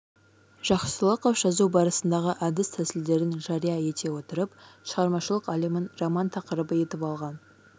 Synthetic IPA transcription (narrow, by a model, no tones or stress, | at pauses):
ʒ̥ɑχsəlˠəqɑwʃɑzubɑɾəsənd̪ɑʁəʔæd̪ɪst̪ʰæsɪld̪e̞ɾɪnʒɑɾijɑje̞t̪e̞wo̞t̪əɾəpʃəʁɑɾmɑʃəlˠəqɑlˠimənrɑmɑnt̪ʰɑqəɾəbəje̞t̪ɪpɑlˠʁɑn